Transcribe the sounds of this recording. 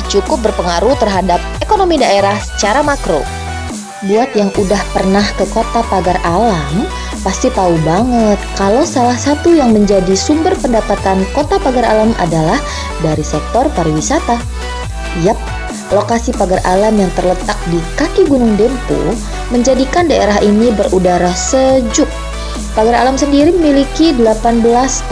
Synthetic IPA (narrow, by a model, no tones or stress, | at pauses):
t͡ʃukʊp̚bərpəŋaɾut̪ərɦadap̚ekonomidaeɾahsə̥t͡ʃaɾamakɾo̰ | buat̪̚jaŋʔudahpərnahkəkot̪apaɡarʔalam | past̪it̪aubaŋət̪̚kalowsalahsat̪ujaŋməɲd͡ʒadisumbərpəndapat̪ankot̪apaɡaɾa̰lamʔa̰dalah | daɾisɛk̚t̪ɔrpaɾiwisat̪a | jap̚ | lokasipaɡarʔalamjaŋt̪ərlət̪ak̚dikakiɡunʊŋdempṵ | məɲd͡ʒadikandaeɾaɦʔinibərudaɾasəd͡ʒʊk̚ | paɡaɾa̰lamsəndiɾiməmilikidəlapanbəlas